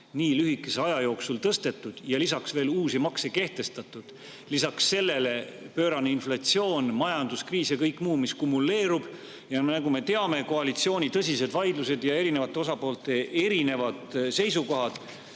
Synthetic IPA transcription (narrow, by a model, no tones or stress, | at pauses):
niːlyɦikːˑeseɑjɑjo̞ːksult̪ɤst̪e̞t̪ːˑud̪̥jɑlisɑksve̞ːluːsimɑkse̞ke̞ht̪e̞st̪ɑt̪ːˑud̪̥ | lisɑksːe̞lːe̞le̞pø̞ːɾɑneinflɑt̪sio̞ːnmɑjɑnd̪̥uskriːsjɑkɤjkːmuːmiskumːulːe̞ːɾub̥ | jɑmnɑɡume̞t̪e̞ɑme̞ko̞ɑlit̪sio̞ːnʲit̪ɤs̬ʲise̞d̪vɑjd̪luse̞d̪jɑe̞ɾine̞vɑt̪ːˑe̞o̞sɑpo̞ːlt̪ːˑe̞e̞ɾine̞vɑd̪̥se̞jsukoɦɑd̪̥